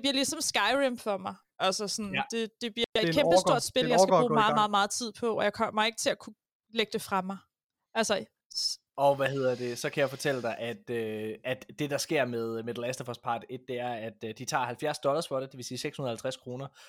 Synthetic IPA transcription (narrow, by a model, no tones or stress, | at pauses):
d̥b̥liɐ̰lisɒ̽msɡ̥ɑ̈ɪʁemfɒmɑ̈ɪ | ʔælsəsɔnd̥e̝d̥e̝b̥liɐ̥iɐedkʰeb̥əsdo̝ɐ̰d̥sb̥eljaɪsæbʁuːmɑ̈ːðˠmɑːð̩ˠmɑ̈ːð̞̩ˠt͡sʰið̞̰ˠpʰɒ̽ɒjɑ̈ɪkʰɒ̽m̰ɐ̰mɐe̝ɡ̥ə̥t͡sʰe̝lækʰu | leɡ̥d̥e̝fʁɑ̈mɑ̈ɪ | ælsə | ɒ̽ʋæɦe̝ð̞̰ˠɐd̥e̝sɒ̽kʰæjäɪfɒ̽t͡sʰel̰əd̥ɑ̈ɪʔæd̥øæd̥ːe̝d̥ɑ̈sɡ̥e̝ɐ̰með̞ˠmed̥l̩esd̥ɐfɒs̚pʰɑ̈d̥e̝d̥̚d̥e̝æɐæd̥d̥it͡sʰɑ̰̈ːhælfjæɐsd̥ɒ̽lɐsfɒɾed̥e̝ʋe̝siːseɡ̥shunð̩ˠhælt͡sʰʁæskʰʁo̝ːnɐ